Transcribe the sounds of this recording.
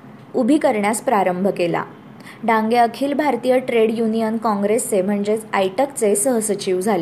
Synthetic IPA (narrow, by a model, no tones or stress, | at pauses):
ubʱikəɾɳjaspɾaɾəmbʱəkela̰ | ɖãŋɡeəkʰiːlbʱaɾt̪ijəʈɾeɽjunijənkɔ̃ŋɡɾest͡sem̤əɳd͡ʑet͡sajʈəkt͡sesəɦəsət͡ɕiʋd͡zʱale